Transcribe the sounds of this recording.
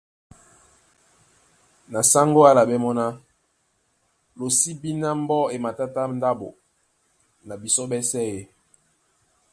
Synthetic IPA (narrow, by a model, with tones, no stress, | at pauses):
na˨sa˦ŋɡo˦a˦la˨bɛ˦mɔ˦na˦ | lo˨si˦bi˦na˦m˦bɔ˦e˨ma˨ta˦ta˦n˦da˦bo˨ | na˨bi˨sɔ˦bɛ˦sɛ˦˨je˦